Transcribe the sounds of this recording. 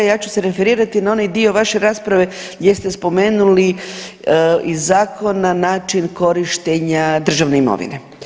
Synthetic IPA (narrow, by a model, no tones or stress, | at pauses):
jaːt͡ɕu̥seɾe̞fe̞ɾiːɾat̪inao̞najd̪io̞ʋaʃe̞ɾaːspɾaʋe̞ | jjest̪e̞spo̞me̞ːnuli | izaːkʰo̞nːanaːt͡ʃinko̞ɾiʃt̪eɲad̪r̩ʒaʋne̞imo̰ʋḭne̞